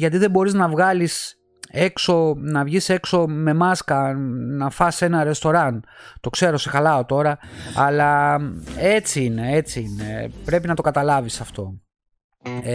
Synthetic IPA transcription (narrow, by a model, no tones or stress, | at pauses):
ʝɐt̪iðe̞bo̞ɾiznɐvɣɐlis | e̞kso̞nɐvʝise̞kso̞me̞mɐskɐnɐfɐse̞nɐɾe̞st̪o̞ɾɐnt̪o̞kse̞ɾo̞se̞xɐlɐot̪o̞ɾɐɐlɐ | e̞t͡siine̞e̞t͡siine̞̰pɾe̞pinɐt̪o̞kɐt̪ɐlɐvisɐft̪o̞